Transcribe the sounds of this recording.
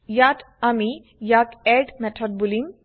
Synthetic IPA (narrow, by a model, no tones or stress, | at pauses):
jat̪ | ami | jakɛɖmɛtʰɔɖ̚bulim